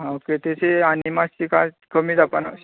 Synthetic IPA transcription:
ɦãoket̪et͡seanimast͡ɕika̰ | kʰəmiːd̪apanas

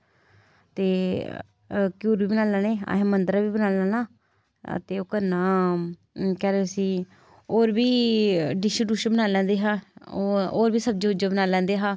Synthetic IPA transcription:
t̪eː | kjuːɾʋiːbənaːlaːneːa̰ːɦẽːmənd̪ɾaːbiːbənaːlãːna̰ː | t̪eːoːkəɾnaː | kɛːɾeːsĩː | oːɾbiːɖɪʃəɖuːʃəbənaːlɛ̃ːnd̪eːɦãː | oːɾbiːsəb̚d͡ʒeːʊd͡ʒaːbənaːlɛ̃ːnd̪eːɦãː

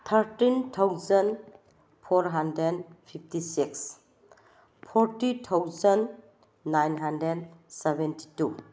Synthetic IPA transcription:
t̪ʰəɾtintʰawzən | pʰɔɾɦandɾedpʰip̚ʰtisiks | pʰɔɾtitʰawzənː | ajnɦandɾedsebenti̥tu

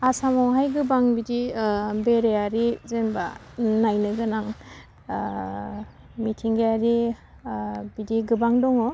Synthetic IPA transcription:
asamɔɦajɡɯbaŋbidibeɾeaɾizenba | najnɯɡɯnaŋ | mitʰiŋɡeaɾi | bidiɡɯbaŋdɔŋɔ

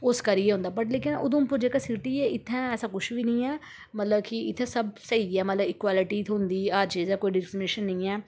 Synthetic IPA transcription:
ʊskəɾieɛːɦʊ̃ːnd̪aːpəʈleːkɪnʊ̰d̪õːmpʊɾd͡ʒeːkaːsɪʈiːɛːɪt̪ʰːɛ̃ːɛːsãːkʊʃʋiːnĩːɛː | mət̪ləbkɪɪt̪ʰːɛ̃ːsəbsəiːɡɛːmət̪ləbɪkwaːlɪʈiːt̪ʰɦʊ̃nd̪iːad͡ʒeːzakoːiːɖɪpʰɪɾmeːʃənːĩːɛː

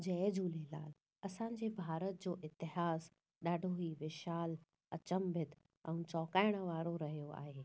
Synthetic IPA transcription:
d͡ʑɛːd͡ʑuːlelaːl | ɐsã̆ːd͡ʑeːbʱaːɾət̪̚d͡ʑoːʔɪt̪ɪɦaːz | ɗaːɖʱoɦiːʋɪʃaːl | ɐt͡ɕəmbʱɪt̪ | ɛ̃t͡ɕɔːkaːɪɽ̃ə̆ʋaːɾoɾɐɦijoa̰ːɦeː

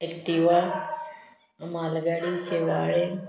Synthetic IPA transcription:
ekʈiʋaː | maːlɡaːɽiseːʋaːɽe

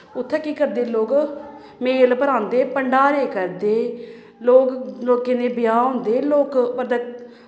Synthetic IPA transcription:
ʊt̪ʰːeːkiːkəɾd̪eːloːk | meːlpəɾãːnd̪eːpəɳɖaːɾeːkəɾd̪eː | loːkloːkeːnẽːbɪjaːɦõːnd̪eːloːkbəɾd̪aː

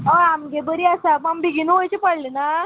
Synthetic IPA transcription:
ɔamɡebəɾiasapambiɡinuʋojt͡ɕipəɽlena

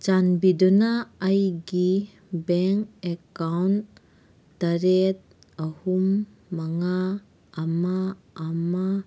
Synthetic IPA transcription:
t͡ʃanbidɔnaːjɡi | bɛŋkekawnt | d̥aɾet̪̚ | ɐhumː | aŋaː | maː | ma

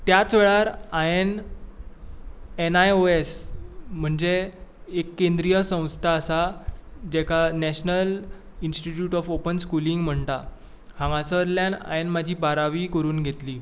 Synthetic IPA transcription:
t̪jat͡sʋeɭaɾaen | enajoesm̤əɳd͡zeekːend̪ɾijəsə̃w̃st̪ʰaːsad͡ʑekʰanɛɕnəl | insʈiʈjuːʈɔfopənskuliŋɡm̤əɳt̪a | hãŋasəɾljana̰jenmad͡ʑʱiːbaɾaʋiːkəɾuːnɡʱet̪liː

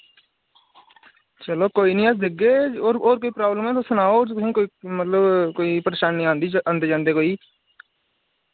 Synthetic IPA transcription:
t͡ʃəloːkoːiːnĩaːsd̪ɪɡeːoːɾoːɾk̬oiːpɾaːbləmɛ̃ːt̪osənaːoːĩːkoːimət̪ləbkoːiːpəɾeːʃaːnːĩãːnd̪iãːnd̪eːd͡ʒãːnd̪eːkoːiː

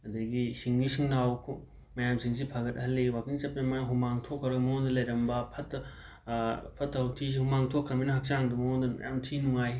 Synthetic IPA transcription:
ɐdɐɡisiŋnisiŋnawkʰu | mɐjamsiŋs̬ipʰaɡɐt̚ɦɐlːewakiŋsɐp̚nemaɦumaŋtʰokʰːɐɾɐɡɐmɐondɐlɐjɾɐmbɐpʰɐt | pʰɐtʰɐwtʰizihumaŋtʰokʰːɾɐbinɐɦɐk̚t͡ʃaŋdumɐondɐmɐ̰ja̰mtʰinuŋaj

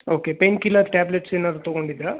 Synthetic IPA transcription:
oːkepenkilɐd̪ʈaːbleʈseːnad̪ɾut̪ɐɡo̞ɳɖid̪ɾɐ

